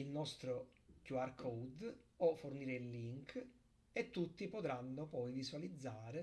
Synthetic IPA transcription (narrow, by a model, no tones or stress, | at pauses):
ilnɔst̪ɾo | kjuarkʰɔwd̪ɔforniːɾeilːiŋk | et̪ːut̪ːipot̪ɾanːopɔjviswalid̪zːaːɾe